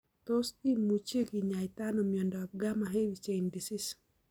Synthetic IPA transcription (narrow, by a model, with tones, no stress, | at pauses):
t̪ɔ˦si˦mu˨t͡ʃe˦ɡi˨ɲa˨ɪt̪a˦no˨mjɔ˨ndɔ˨ɡa˦ma˨ɦe˦wi˨t͡ʃe˨jndi˨sis